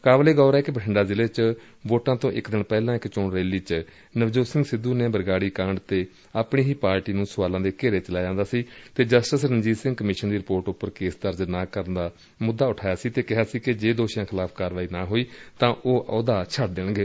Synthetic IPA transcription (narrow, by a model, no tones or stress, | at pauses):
kaːbleːɡɔːɾɛːkbəʈʰɪɳɖaːzɪleːt͡ʃ | ʋoːʈãːt̪õːʔɪkd̪ɪɳpɛːlãːɪkt͡ʃʊɳɾeːliːt͡ʃ | nəʋd͡ʒoːsɪ̃ŋɡsɪd̪ːuːneːbəɾɡaːɽiːkãːɳɖt̪eː | aːpɳeːɦiːpaːɾʈiːnũːsʊʋaːlãːd̪eːkeːɾeːt͡ʃəlaːd͡ʒãːnd̪aːsiːt̪eːd͡ʒəsʈəsɾənd͡ʒiːsɪ̃ŋɡkəmɪʃənd̪iːɾɪpoːɾʈʊpːəɾkeːsd̪əɾd͡ʒənaːkəɾnd̪aː | mʊd̪ːaːʊʈʰaːjaːsiːt̪eːkɪɦaːsiːkɪd͡ʒeːd̪oːʃjãːkʰɪlaːpʰkaːɾʋaːiːnaːɦoːiːt̪ãːʔoːʔoːd̪aːt͡ʃʰəʈ̚d̪ɪɳɡeː